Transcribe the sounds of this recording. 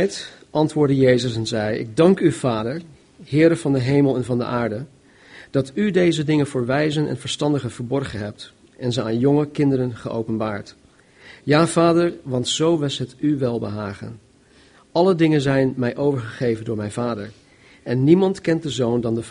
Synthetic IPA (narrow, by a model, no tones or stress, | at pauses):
t | ʔɑntʋʊːɹdəjejzəs̬ɛnzɛjɪ̰ɡ̚dɑŋkyvaːdəɹ | hɪːɾəvɑndəɦejməlˠɛnvɑndə̰ʔaːɹdə | d̥ɑtydejzədɪŋənvʊːɹʋɛjzənʔɛ̰nv̥əɹstɑndəχənv̥əɹbɔɹχənɦɛp̚t | ʔɛnzəaːnjɔŋəkɪndəɾənχəʔo̰wpənbaːɹt | jaːv̥aːdəɹʋɑntsowʋɪsɦətyʋɛlˠbəɦaːχə̰n | ʔɑlədɪŋənzɛjnmɛjʔowvəɹχəχejvəndʊːɹmɛjnvaːdəɹ | ɛnːimɑntkɛnt̚dəzowndɑndə